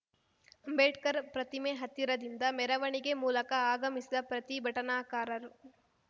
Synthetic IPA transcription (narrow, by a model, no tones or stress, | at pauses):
ɐmbeːʈkɐɾpɾɐt̪imeɦɐt̪ːiɾɐd̪ind̪ɐmɛɾɐʋɐɳiɡe̞muːlɐkɐaːɡɐmisid̪ɐpɾɐt̪ibʱɐʈɐnaːkaːɾɐɾu